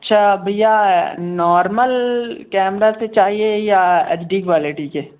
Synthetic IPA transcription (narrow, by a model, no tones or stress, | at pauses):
ɐtːʃʰaːbʱɐjanɔːɾməlkɛːmɾaset͡ʃaːɦiejaḛːt͡ʃɖiːkʋaːleʈike